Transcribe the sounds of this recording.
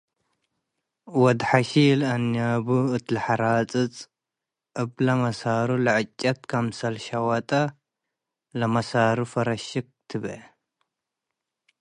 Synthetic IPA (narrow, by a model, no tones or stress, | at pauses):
wɐd̪ħaʃilɐnjabuɨt̪ʰlɨħaɾat͡sʼɨt͡sʼ | ʔɨblɐmɐsaɾulɨʕɨt͡ʃʼːɐt̪kʰɐmsɐlʃɐwɐt̪ʼɐ | lɐmɐsaɾufɐɾɐʃɪk̚t̪ʰɨβ